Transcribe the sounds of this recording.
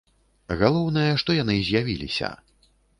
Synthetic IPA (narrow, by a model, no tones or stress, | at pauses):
ɣalˠɔwnɐjɐʂt̪ɔjan̪ɨzʲjavʲilʲḭsʲɐ̰